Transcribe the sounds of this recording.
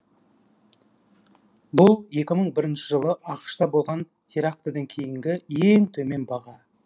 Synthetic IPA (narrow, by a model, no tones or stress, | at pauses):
bʊlˠje̞kʲɪməɴbɪɾɪnʃɪ̥ʒəlˠəʔɑqə̥ʃt̪ɑbo̞lˠʁɑn | t̪ʰeɾak̚t̪əd̪ɑŋkʲʰe̞jɪŋɡʲɪeŋt̪ʰɵme̞nbɑʁɑ